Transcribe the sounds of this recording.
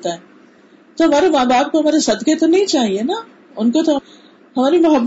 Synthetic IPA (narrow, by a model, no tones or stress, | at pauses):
t̪aːɦɛ | t̪oɦɐmaːɾemaːbaːb̚koɦɐmaːɾesɐd̪ket̪onɐɦĩt͡ɕaːɦienɐ | ʊnkot̪o | ɦɐʋaːɾimʊɦəb